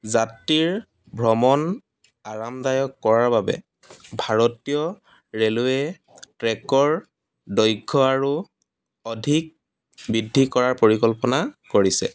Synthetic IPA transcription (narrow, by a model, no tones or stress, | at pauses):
zatɹiɹ | bʱɹɔmɔn | aɹamdajɔkːɔɹaɹbabɛ̰ | bʱaɹɔtijɔ | ɹeluɛ | tɹɛkɔɹ | dɔjɡʱːɔaɹu | ɔdʱik̚ | bidʱːikɔɹaɹpoɹikɔlpɔnakoɹisɛ̰